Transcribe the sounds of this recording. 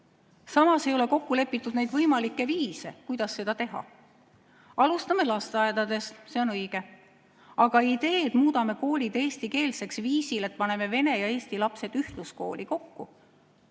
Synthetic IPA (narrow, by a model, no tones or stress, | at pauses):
sɑmɑse̞jole̞ko̞kːule̞pːˑit̪ːˑud̪næjd̪̥vɤjmɑlikːˑe̞viːse̞kujd̪̥ɑsːe̞d̪̥ɑt̪e̞ɦɑ̰ | ɑlust̪ɑmelɑst̪ɑed̪̥ɑd̪̥e̞st̪se̞o̞nɤjɡ̥e̞ | ɑɡ̥ɑid̪̥e̞ːd̪muːd̪ɑme̞ko̞ːlʲid̪̥eːst̪ike̞ːlse̞ksviːsile̞t̪̚ˑpɑne̞me̞ve̞ne̞jɑe̞ːst̪ilɑpse̞d̪̥yht̪lusko̞ːlʲiko̞kːu